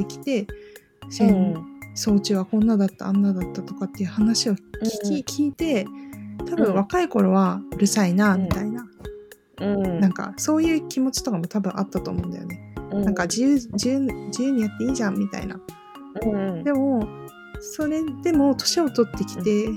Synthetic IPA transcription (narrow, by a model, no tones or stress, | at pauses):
ekʲi̥t̪e̞ | sẽnso̞ːt͡ɕɨβakõ̞nːad̪at̪ːã̰ːnːad̪at̪ːat̪o̞kat̪ːe̞jɯ̟hanaɕio̞i̥kʲikʲʰiːt̪e̞t̪abɯ̟̃ɰ̃βakaiko̞ɾo̞βaɯɾɯ̟sainamʲit̪ainã | nãŋka̰so̞ːjɯ̟ːkʲimo̞t͡ɕi̥t̪o̞kamo̞t̪abɯ̟̃ɰ̃ʔat̪ːat̪o̞ːmo̞ɯ̃nd̪a̰jo̰ne̞nãŋkad͡ʑijɯːd͡ʑiɯ̃d͡ʑijɯːɲ̟ijat̪ːe̞iːʑãmːʲit̪a̰ḭna̰ | d̪e̞mo̞ | so̞ɾe̞d̪̥e̞mo̞t̪o̞̥ɕio̞t̪o̞t̪ːe̞kʲi̥t̪e̞